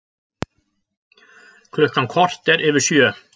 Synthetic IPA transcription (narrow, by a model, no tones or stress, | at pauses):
kʰlɔkɑnkʰɔɾt̪əɾʔeʋəʃyə